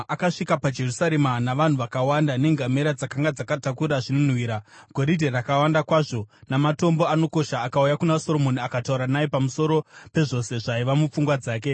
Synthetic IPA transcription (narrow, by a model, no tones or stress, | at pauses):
ʔakaʂikapad͡ʒe̞rusaɾe̞manaʋan̤uʋakawandane̞ŋɡame̞ɾad͡zakaŋɡad͡zakatakuɾaʐinon̤wiːɾaɡ̥ʱo̞ɾidʱerakawandakwaːʐo̞namato̞mbo̞ano̞ko̞ʃaːkaujakunaso̞ɾo̞mo̞niakatauɾanaje̞pamuso̞ɾo̞pe̞ʐo̞se̞ʐaiʋamup͡fuŋɡwad͡zaːke̞